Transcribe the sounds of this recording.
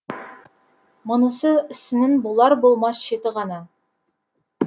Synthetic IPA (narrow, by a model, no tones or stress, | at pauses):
mʊ̆nə̆səɪsɪnɪnbolˠɑɾbolˠmɑsʃet̪ɪʁɑnɑ